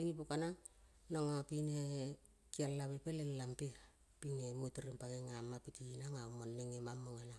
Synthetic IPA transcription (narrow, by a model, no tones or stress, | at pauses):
eŋipokanaŋ | naŋapine | kialːaβepelellampe | pinemutɾimpakeŋamapitinaŋaumonːeŋemamːoŋena